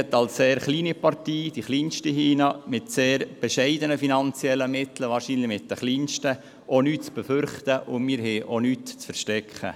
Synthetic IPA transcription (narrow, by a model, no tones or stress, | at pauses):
ɛt̪ːɑlsseːɾχliːnipɑrtiːd̥iχliːnʃtiɦiːnɑmɪtseːɾb̥ɛʃɛɪdənəfinɑnt͡sjɛlːəmɪt̪l̩əʋɑːɾʃiːnlɪmɪt̚d̥əχliːnʃtə | ʔonyːtt͡sb̥ɛfʏɾχtəʔʊmɪːɾɦɛːʔonyːtt͡sfɛɾʃtɛkχə̰